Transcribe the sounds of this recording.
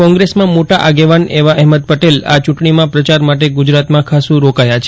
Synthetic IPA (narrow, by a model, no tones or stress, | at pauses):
kɔ̃ŋɡɾesmãmoʈaʔaɡeʋaneʋaʔɛɦməd̪̚pəʈela̰t͡ʃũʈɳimãpɾət͡ʃaɾmaʈeɡud͡ʒɾat̪mãkʰasũɾokajat͡ʃʰ